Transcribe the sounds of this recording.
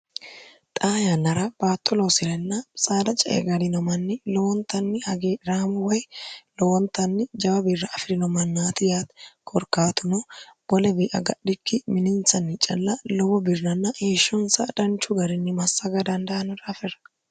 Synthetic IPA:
t̪ʼaːjanːɐɾɐb̥aːt̪ʼːɔlɔwsɪlɛnːɐsʼaːd̪ɐt͡ʃʼɐʔɛ̰ɡɐɾɪnɔmɐnːɪlɔwɔnt̪ɐnːɪhɐɡeːɪɾaːmʊwɐjlɔwɔnt̪ːɐnːɪd͡ʒɐbɐbɪrːɐʔːfɪɾɪnɔmɐnːaːt̪ɪjaːt̪kʼɔɾkaːt̪ʊnɔb̥ɔlɛbiːʔɐ̰ɡɐɗɪkːɪmɪnɪnsɐnːɪt͡ʃʼɐlːɐlɔwɔbɪrnɐnːɐheːʃːɔnsɐ̰d̪ɐnt͡ʃʊɡɐɾɪnːɪmɐsːɐɡɐd̪ɐnd̪ɐɐnɐɾɐfɛɾɐ̥

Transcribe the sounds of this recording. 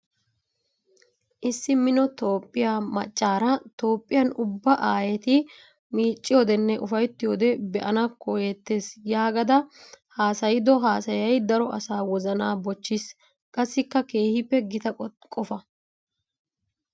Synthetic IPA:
ʔɪsːɪmɪnɔt̪o̞ːpʼːɪjaːmɐ̰t͡ʃʼːaːɾɐt̪o̞ːpʼːɪjɐnʊbːɐʔaːjɛt̪ɪ | miːt͡ʃʼːɪjod̪ɛnːɛʔʊfɐjt̪ːɪjoːd̪ɛbɛʔɐnɐkːojɛt̪ːeːsjaːɡɐd̪ɐhaːsɐjɪd̪ɔɦaːsɐjɐjd̪ɐɾɔʔɐsaːwɔzɐnaːbɔt͡ʃːɪs | kʼɐsːɪkːɐke̞ːhɪpːɛɡɪt̪ɐkʼɔfɐ

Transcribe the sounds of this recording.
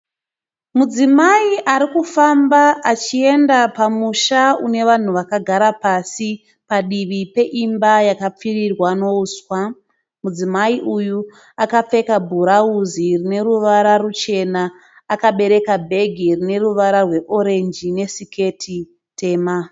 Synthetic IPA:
mud͡zimaiʔaɾikufambaʔat͡ʃie̞ndapamuʃaune̞ʋan̤uʋakaɡʱaɾapasi | paɗiʋipe̞ʔimbajakap͡firirwano̞uːswa | mud͡zimaiʔuju | akap͡fe̞kabʱuɾauzirine̞ɾuʋaɾarut͡ʃe̞naː | kaɓe̞ɾe̞kabʱe̞ɡʱirine̞ruʋaɾarwe̞ʔo̞ɾe̞nd͡ʒine̞sike̞tʰi | te̞ːma

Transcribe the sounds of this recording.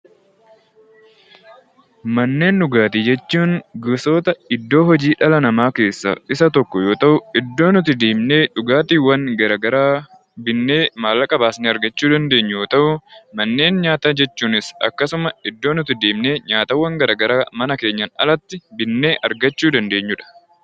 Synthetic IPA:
mɐnːe̞ːnᶑʊɡaːt̪iːd͡ʒɛt͡ʃːuːŋɡʊso̞ːt̪ɐɪd̪ːo̞ːɦɔd͡ʒiːᶑɐlɐnɐmaːke̞ːsːɐ̰ɪsɐt̪ɔkːɔjo̞ːt̪ɐʔʊɪd̪ːo̞ːnʊt̪ɪd̪eːmne̞ːᶑʊɡaːt̪iːwːɐŋɡɐɾɐɡɐɾaː | bɪnːe̞ːmaːlɐkʼɐbaːsneːɐɾɡɐt͡ʃːuːd̪ɐnd̪e̞ːɲːjoːt̪ɐʔʊmɐnːe̞ːnɲaːt̪aːd͡ʒɛt͡ʃːuːnɪsɐ̰kːɐsʊmɐɪd̪ːo̞ːnʊt̪ɪd̪eːmne̞ːɲaːt̪ɐwːɐŋɡɐɾɐːɡɐɾaːmɐnɐke̞ːɲːɐnɐ̰lɐt̪ːɪbɪnːe̞ːʔɐɾɡɐt͡ʃːuːd̪ɐnd̪e̞ːɲːʊᶑɐ̥

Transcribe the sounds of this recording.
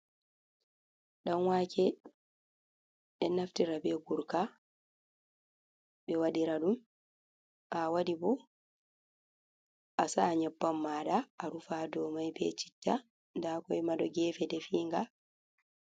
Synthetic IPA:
ɗanwaːkʰɛ | ɗɛnːaftiɾabɛɡuɾka | ɓɛwaɗiɾaɗum | ʔawadibɔ | ʔasaɲɛbːamːaːɗaːɾufadɔːmajbɛ̰t͡ʃi̥tːa | ndakɔɛmaɗɔɡɛːfɛdɛfiːŋɡa

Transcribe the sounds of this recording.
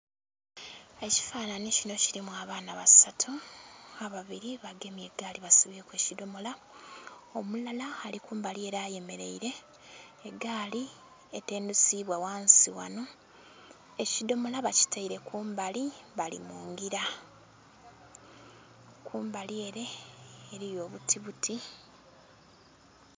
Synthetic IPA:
eci̥faːnanicino̞ciɾimwaːβaːnaβasatʰuaβaβiɾiβaɡe̞mje̞ɡaːliβasuβiekweːcido̞mo̞la | o̞mulalaːlikuːmbalie̞ɾaːje̞me̞ɾe̞iɾe̞ː | ɡaːli | ete̞ːndusiβwawaːnsiwa̰no̞ | ecido̞mo̞laβaci̥taiɾe̞kʰuːmbaliβalḭmoːŋɡiɾa | kʰuːmbalie̞ɾe̞ːɾijo̞ːβutʰiβutʰi

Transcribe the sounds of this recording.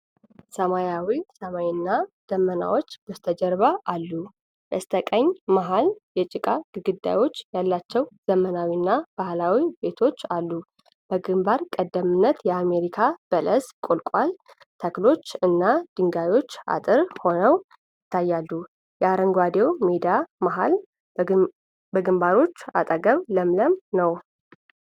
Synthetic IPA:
səmajawisəmajnːad̪̥əmːəna̰wo̞t͡ʃːb̥əst̪ʰəd͡ʒəɾβaʔalːu | jəst̪ʰəkʼəɲːmaɦaljɛt͡ʃʼɪkʼaɡɨɡɨd̪ːa̰jo̞t͡ʃːjalːat͡ʃːɛwz̥əmənawinːab̥ahlawibe̞t̪ʰo̞t͡ʃːalːu | b̥əɡɨmbaɾkʼəd̪ːəmɨnːət̪jɛame̞ɾikʰab̥ələskʼo̞lkʼwal | t̪ʰəklo̞t͡ʃːɨnːad̪̥ɨŋɡajo̞t͡ʃːa̰t̪ʼɨɾho̞nəw | jɪt̪ʰːajːalːu | jɛaɾəŋɡwad̪e̞wmed̪iamaɦa̰l | bəɡɨmbaɾo̞t͡ʃːa̰t̪ʼəɡəβləmləmnəw

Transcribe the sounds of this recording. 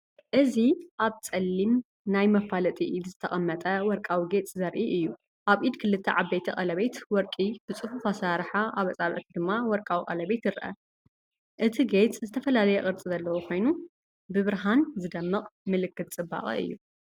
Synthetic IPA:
ʔɨziʔaβt͡sʼɐlːim | najmɐfalɐt̪ʼiʔlzɨt̪ʰɐkʼɐmːɐt̪ʼɐwɔɾkʼawiɡe̞t͡sʼzɐɾʔiʔɨjːu | ʔaβʔid̪kʰɨlɨt̪ʰːɐʕabet̪ʰɐχʼɐlɐβet̪wɔɾkʼib̥ɨt͡sʼɨfufasaɾħaʔaβɐt͡sʼaβʕt̪ʰid̪ɨmːawɔɾkʼawiqʼɐlɐβet̪jɪɾʔɐ̰ | ʔɨt̪ʰiɡet͡sʼzɨt̪ʰɐfɐlalɐjɛχʼɨɾt͡sʼizɐlːɐwokʰo̞jnu | bɨβɨɾɦanzɨd̪ɐmːɨqʼmɨlɨkːɨt̪̚ʼt͡sʼɨba̰χʼḭɨ̰jːu

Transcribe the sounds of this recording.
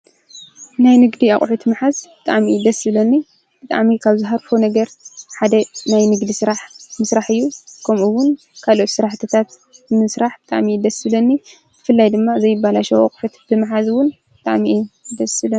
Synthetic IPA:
najnɨɡd̪iaχʼħut̪ʰmɨħazbɨt̪ʼa̰ʕmid̪ɐsɨlɐnːi | b̥ɨt̪ʼa̰ʕmikʰaβzɨɦaɾfonɐɡɐɾħad̪ɐnajnɨɡd̪isɨɾaħmɨsɾaħɨjːukʰɐmuwːʊn | kʰalo̞t̪sɨɾaħt̪ʰɐt̪ʰat̪ | nɨsɾaħb̥ɨt̪ʼa̰ʕmid̪ɐsɨlɐnːi | z̥ɨfɨlːajd̪ɨmːazɐjːɪbːalaʃɐwa̰kʼħut̪b̥ɨmħazwʊnbɨt̪ʼaʕmiʔd̪ɐsɨlɐ

